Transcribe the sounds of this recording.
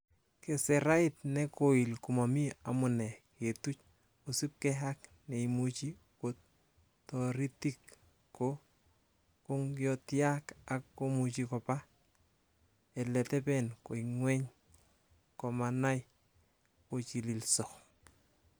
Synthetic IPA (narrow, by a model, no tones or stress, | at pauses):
kesɛɾaitnɛkoilkumamiamʊnɛketut͡ʃ | osip̚kɛɦak | neimut͡ʃi | kot | tɔɾitik | ko | koŋjɔtjakakːomut͡ʃikɔpa | ɛlɛtɛpɛnkoiŋwɛɲ | kɔmanaj | kot͡ʃililsɔ